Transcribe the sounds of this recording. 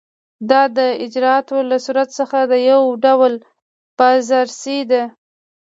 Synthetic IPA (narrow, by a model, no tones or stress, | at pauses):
d̪ɑd̪əɪd͡ʒɾɑɑt̪olasuɾat̪səxad̪əjawɖawəl | pazaɾsid̪a